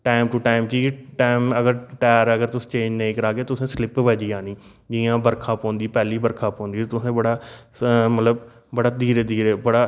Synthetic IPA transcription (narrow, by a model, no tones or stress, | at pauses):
ʈaːɪmʈuːʈaːɪmkiːʈaːɪməɡəɾʈɛːɾəɡəɾt̪ʊsĩ̥ːt͡ʃẽːd͡ʒnẽĩːkəɾaːɡeːt̪ʊsẽːslɪpʋəd͡ʒiːãːnĩː | d͡ʒiːãːbəɾkʰãːpɔ̃ːnd̪iːpɛːliːbəɾkʰãːpɔ̃ːnd̪iːt̪ʊsẽːbəɽaː | mət̪ləb | bəɽaːd̪iːɾeːd̪iːɾeːbəɽaː